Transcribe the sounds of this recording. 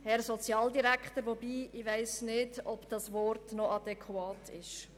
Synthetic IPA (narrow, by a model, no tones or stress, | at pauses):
hɛɾsɔt͡sjɑːldiɾækχtəɾʋɔbiːʔɪʋæɪsnɪdɔbd̥ɑsʋɔrtnɔʔɑd̥ɛkʰwɑːtʰɪʃ